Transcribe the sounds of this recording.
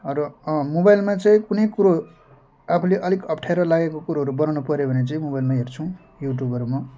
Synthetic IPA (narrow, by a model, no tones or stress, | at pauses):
ʌɾʌmobajlmat͡sʌĩkunʌjkuɾo | apʰuleʔʌlikʌpʈʰaeɾʌlaɡekokuɾoɦʌɾubʌnanupʌɾjobʱʌnet͡sʌĩmobajlmaɦert͡sʰuũ | juʈ̬jubʱʌɾuma